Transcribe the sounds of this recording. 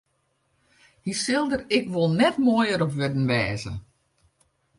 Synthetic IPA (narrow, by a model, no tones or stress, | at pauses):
hisɪlˠdərɪkʋolˠnɛtmojəɾɔpʋødn̩ʋɛːzə̰